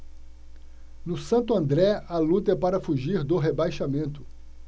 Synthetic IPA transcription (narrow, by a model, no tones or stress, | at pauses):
nʊsɐ̃nt̪ʊɐ̃nd̪ɾɛɐlut̪ɐɛpaɾɐfuʒiɾd̪ʊɦebajʃamẽnt̪ʊ̥